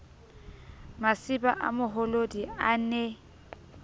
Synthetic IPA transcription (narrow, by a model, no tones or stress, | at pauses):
masɪba̰ʔa̰mʊɦolodianɛ